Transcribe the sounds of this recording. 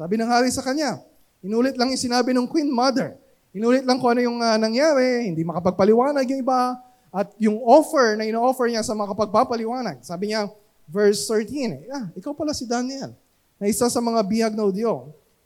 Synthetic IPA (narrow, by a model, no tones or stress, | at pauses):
saːbɪnɐŋhaːɾisɐkɐɲa | ʔɪnuːlɪt̪lɐŋjʊŋsɪnaːbɪnoŋkwinmɐd̪ɛɹ | ɪnuːlɪt̪̚lɐŋkoʔɐnojʊŋanɐŋjaːɾɛhɪnd̪imɐkɐpɐɡ̚pɐlɪwaːnɐɡ̚nʊŋɪba | ʔɐt̪̚jʊŋʔo̞fɛɹnɐʔɪnoːʔofɛɹɲasɐmɐŋakɐpɐɡ̚papɐlɪwaːnɐɡ̚saːbɪɲa | vɛɹst̪ɛɹt̪inaʔɪkawpɐlasɪd̪anɪɛl | nɐʔɪsasɐmɐŋabijɐɡ̚nɐhʊd̪jo